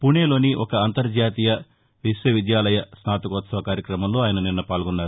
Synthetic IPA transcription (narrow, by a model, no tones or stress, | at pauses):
puneːlo̞ːniʔɔkɐːnt̪ɐɾd͡ʒaːt̪iːjɐ | ʋiʂjɐʋid̪jaːlɐjɐsnaːt̪ɐkɔːt̪sɐʋɐkaːɾjɐkɾɐmɐmlo̞ːaːjɐnɐninːɐpaːlɡɔnːaːɾu